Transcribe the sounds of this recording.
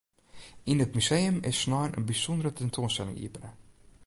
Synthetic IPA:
ʔinətmysejəmɪ̰sːnɔjnʔə̰nbisɔndəɾətɛntʰoənstɛlɪ̰ŋḭəpənə

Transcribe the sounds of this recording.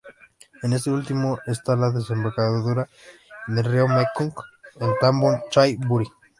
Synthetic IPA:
enes̬eult̪imoʔest̪alaðes̬embaɾkaððuɾa | ðereomekuŋkent̪ambont͡ʃajbuɾi

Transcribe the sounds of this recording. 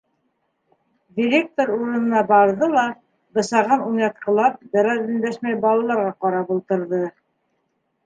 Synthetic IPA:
dʲɪɾʲek̚t̪oɾuɾɤ̆nɤ̆nɑbɑɾðɤlˠɑ | b̪ɤ̆sɑʁɤnunɑt̪̚qɤ̆lˠɑp̚d̪æ̆ɾɑzĭnd̪æʃmæjbɑlˠɑlˠɑɾʁɑqɑɾɑpulˠt̪ɤ̆ɾðɤ

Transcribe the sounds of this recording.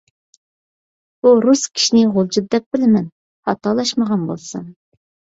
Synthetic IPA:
b̥uɾuskʲʰi̥ʃinɪʁolˠd͡ʒut̚d̪ɛp̚bɪlɪmɛn | hɑt̪ʰɑlˠɑʃməʁɑnbo̰lˠsɨ̰n

